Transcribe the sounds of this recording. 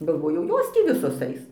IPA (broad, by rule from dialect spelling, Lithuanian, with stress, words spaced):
ɡɐlˠˈʋoːjɛʊ ˈjoːs tʲiː ˈʋʲɪsoːs ˈɐɪs